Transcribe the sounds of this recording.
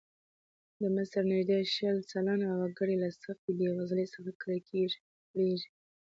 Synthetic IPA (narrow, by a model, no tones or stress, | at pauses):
d̪əmɪsəɾnɪʒd̪eʃəlsalanawaɡaɽelasaft̪ilewazlesəxakəɾakʰeʒi̥ | ɽeʒi